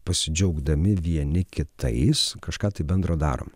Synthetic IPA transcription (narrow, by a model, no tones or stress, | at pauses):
pɐsʲɪd͡ʒʲɛʊɡd̪ɐmʲɪʋʲiɛnʲɪkʲɪt̪ɐ̰ɪskɐʃkɑːt̪ɐɪbʲɛnd̪ɾoːd̪ɑ̰ːɾʔo̰ːm